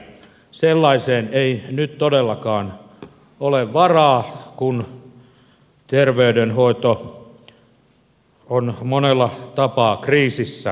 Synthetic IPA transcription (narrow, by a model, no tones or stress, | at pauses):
selːɑiseːneinyt̪t̪odelːɑkɑːn | oleʋʋɑrɑːkun | t̪erʋeydenhoit̪o | onmonelːɑt̪ɑpɑːkriːsisːæ